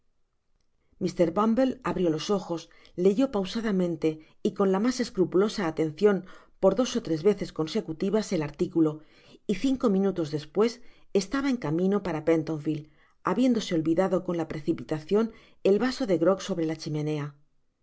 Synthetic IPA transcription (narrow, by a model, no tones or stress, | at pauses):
mist̪e̞ɾβambe̞laβɾjo̞lo̞so̞xo̞s | le̞ʝo̞pawsaðamẽ̞nt̪e̞ | iko̞nlamase̞skɾupulo̞saːt̪e̞nθjo̞n | po̞ɾðo̞so̞t̪ɾe̞zβe̞θe̞sko̞nse̞kut̪iβase̞laɾt̪ikulo̞ | iθiŋko̞mĩnut̪o̞zðe̞spwe̞se̞st̪aβae̞ŋkamĩno̞paɾapent̪o̞ɱfil | aβje̞nd̪o̞se̞o̞lβiðaðo̞ko̞nlapɾe̞θipit̪aθjo̞n | e̞lβaso̞ðe̞ɣɾo̞kso̞βɾe̞lat͡ʃimẽ̞ne̞a